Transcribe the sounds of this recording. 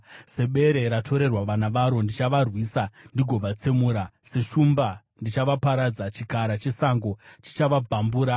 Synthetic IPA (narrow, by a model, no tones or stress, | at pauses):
se̞ɓe̞ɾe̞ɾatʰo̞ɾe̞rwaʋanaʋaɾo̞ndit͡ʃaʋarwiːsandiɡʱo̞ʋat͡semuːɾase̞ʃumba | ndit͡ʃaʋapaɾad͡zat͡ʃikaɾat͡ʃe̞saŋɡo̞t͡ʃi̥t͡ʃaʋab͡vʱambuːɾa